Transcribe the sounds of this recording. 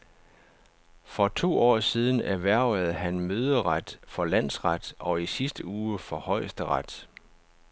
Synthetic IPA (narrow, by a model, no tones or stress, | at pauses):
fɒ̽t͡sʰo̝̰ːɒ̰ːsiːð̞ˠn̩æʋæɐ̰æð̩ˠɦænmøːð̞ˠəʁad̥fɒ̽læn̰sʁɑd̥ɒ̽isisd̥əuːfɒ̽hɒ̽ɪ̰sd̥əʁɑd̥